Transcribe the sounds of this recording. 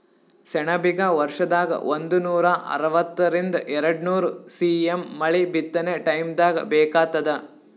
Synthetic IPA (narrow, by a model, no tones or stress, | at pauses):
sɛɳɐbiɡɐʋɐɾʂɐd̪aːɡɐ̰ʔond̪unuːɾɐʔɐ̰ɾɐʋɐt̪ːɐɾind̪ɐʔɛɾɐɽnuːɾusiːemːɐɭibit̪ːɐneʈɐjmd̪aːɡɐ̰bɛːkaːt̪ːɐd̪ɐ